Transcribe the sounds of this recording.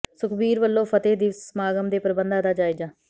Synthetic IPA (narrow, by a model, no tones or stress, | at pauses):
sʊkʰbiːɾʋəlːõːpʰət̪eːd̪iːsmaːɡəmd̪eːpəɾəbənd̪aːd̪aːd͡ʒaːiːd͡ʒaː